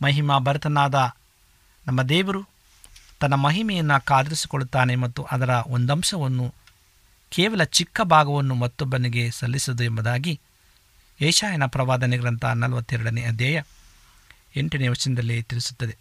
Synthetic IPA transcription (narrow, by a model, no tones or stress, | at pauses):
mɐɦimabɐɾɐt̪ʰɐnaːd̪ɐ | nɐmːɐd̪ɛːʋɐɾu | t̪ɐnːɐmɐɦimɛjɐnːɐkaːd̪ɐɾisi̥koɭut̪ːaːnemɐt̪ːuʔɐd̪ɐɾɐond̪ɐmʃɐʋɐnːu | kɛːʋɐlɐt͡ʃikːɐbʱaːɡɐʋɐnːumɐt̪ːɔbːɐniɡe̞sɐlːisɐd̪uembɐd̪aːɡi | ɐjʂaːjɐnɐpɾɐʋaːd̪ɐniɡɐɾɐnt̪ʰɐ̰nɐlɐʋɐt̪ːɛɾɐɽɐneɐd̪jɐjɐ | eɳʈɐneʋɐt͡ʃɐnɛd̪ɐlːit̪iɾisu̥t̪ːɐd̪e